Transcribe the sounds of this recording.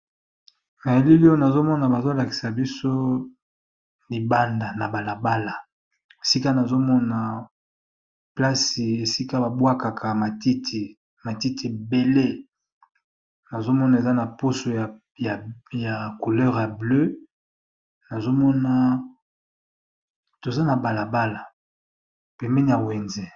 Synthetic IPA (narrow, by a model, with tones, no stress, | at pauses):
na˨je˦li˦li˦o˦na˨zo˦mɔ˦na˨ba˨zo˦la˨ki̥˨sa˨bi˦so˦ | li˨ba˦nda˨na˨ba˨la˨ba˦la˨ | e˨si˦ka˦na˨zo˦mɔ˦na˨ | pla˦si˨e˨si˦ka˦ba˨bwa˦ka˨kʰa˨ma˨ti˦ti˨ | ma˨ti˦tʰi˨be˨le˦ | na˨zo˦mɔ˦na˨e˨za˦na˨po˦so˨ | ja˨ja˨ku˨lɛ˦ʁja˨blø˦ | na˨zo˦mɔ˦na˦ | to˨za˦na˨ba˨la˨ba˦la˨ | pɛ˨mɛ˦ni˦ja˨we˨nzɛ˨